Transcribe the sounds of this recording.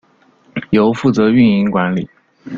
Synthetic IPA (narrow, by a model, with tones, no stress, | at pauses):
jo˧˥ʊfu˥˩t͡sɤ˧˥y˥˧ni˧˥ŋkwa˧˥nli˨˩˦